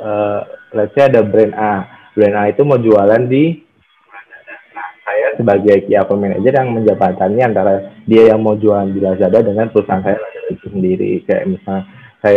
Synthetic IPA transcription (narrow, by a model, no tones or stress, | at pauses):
ʔəlasaadabɾɛnʔa | bɾɛnait̪umawd͡ʒualandi | ladada | asajasəbaɡajkiakəmɛna̰d͡ʒərjaŋməɲd͡ʒabat̪anɲiant̪aɾadiajaŋmaud͡ʒualandilasadadəŋanpəɾusaŋsajaladadat̪usəndiɾḭkaja̰ʔmisalna | kaja